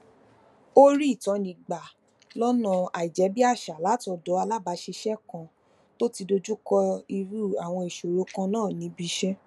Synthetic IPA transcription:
o˦ɾi˦i˦˨tɔ̃˨˧nĩ˨ɡ͡ba˨ | lɔ˦nã˧˨a˨i˨d͡ʒɛ˨˦bi˦a˦˨ʃa˨la˨˦ti˧ɔ˧dɔ˨˦a˧la˦ba˨˦ʃi˧ʃɛ˦kã˧ | to˦ti˧do˧d͡ʒu˦kɔ˧i˧ɾu˦˨a˨w̃ɔ̃˧i˨ʃo˨ɾo˨˦kã˧nãː˦˨nĩ˨˦bi˦ʃɛ˦

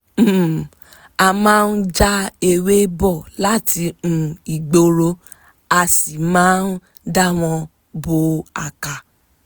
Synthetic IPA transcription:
a˧mãː˦n̩˦d͡ʒa˦e˧we˦bɔ˦˨la˦tĩ˧˨i˨ɡ͡bo˧ɾo˧˦ | a˧si˨mãː˨˦n˦ | da˦w̃ɔ̃˧ | bo˧a˧ka˨

